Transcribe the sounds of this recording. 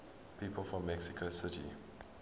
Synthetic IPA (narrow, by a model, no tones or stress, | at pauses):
pʰiːpʰəlˠfɹɔ̃mːɛksɪkʰosɪtḭ